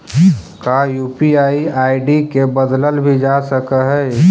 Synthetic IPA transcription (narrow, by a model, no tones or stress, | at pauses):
kajuːpiaːiaːiɖikebəd̪ləlbʱid͡ʒasəkəɦɛ